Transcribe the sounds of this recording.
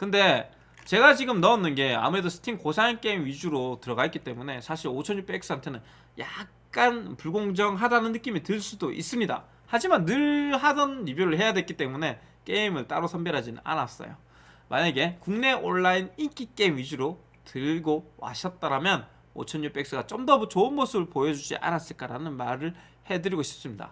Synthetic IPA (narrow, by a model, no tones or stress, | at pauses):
kɯnde̞ | t͡ɕe̞ɡat͡ɕiɡɯmnʌːnːɯnɡe̞a̰muɾe̞dosʰɯ̥tʰiŋkosʰaink͈e̞imɥid͡ʑuɾotɯɾʌɡaɦetkit͈e̞mune̞sʰaɕʰiɾot͡ɕʰʌnjup͈ek̚s͈ɯɦantʰe̞nɯn | jak̚k͈anpuɭɡoŋd͡ʑʌŋɦadanɯnːɯk͈imitɯɭs͈udoʔḭs͈ɯmɲida̰ | had͡ʑimanːɯɭɦadʌnibjuɾɯɭɦe̞jadwek͈it͈e̞mune̞ | k͈e̞imɯɭt͈aɾosʰʌmbeɾɦad͡ʑinɯna̰nas͈ʌ̰jo̰ | maɲeɡe̞kuŋne̞ʔoɭːainik͈ik͈e̞imɥid͡ʑuɾo | tɯɭɡowa̰ɕʰʌt̚t͈aɾamjʌn | o̰t͡ɕʰʌnɲjup͈e̞k̚s͈ɯɡat͡ɕ͈omdʌbut͡ɕoɯnmosʰɯbɯɭpojʌd͡ʑud͡ʑḭʔa̰nas͈ɯɭk͈aɾanɯnmaɾɯɭ | he̞dɯɾiɡoɕʰi̥p̚s͈ɯmɲida̰